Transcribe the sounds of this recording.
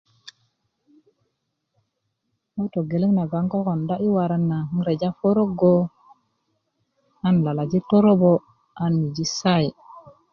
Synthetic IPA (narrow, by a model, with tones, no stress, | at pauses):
o˦wto˨ɡe˨le˦ŋna˨ɡa˨ŋko˦ko˨nda˦ʔi˦wa˨ɾa˦nːa˨˦ɾe˨d͡ʒa˦fo˦ɾo˦ɡo˦ | a˦nla˨la˨d͡ʒi˦to˦ɾo˦bo˦ | a˦nːi˨d͡ʒi˦sa˦˨ji˨